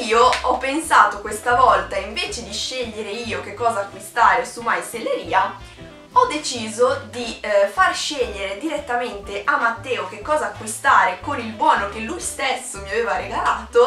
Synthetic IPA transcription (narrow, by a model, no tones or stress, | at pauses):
iːoɔpːensaːt̪okwest̪avɔlt̪aiɱveːt͡ʃed̪iʃeʎːeɾeiːok̟ekːɔːzaːkːwist̪aːɾesumajselːeɾiːa | ɔd̪ːet͡ʃiːzod̪ifarʃeʎːeɾed̪iɾet̪ːament̪eʔamːat̪ːɛːok̟ekːɔːzaːkːwist̪aːɾekonilbwɔːnok̟elːujst̪esːomjaveːvareɡalaːt̪o